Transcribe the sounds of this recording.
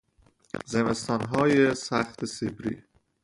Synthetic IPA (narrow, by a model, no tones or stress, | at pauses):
zemest̪ɒːnɦɒːjesæxt̪ʰesebɾḭː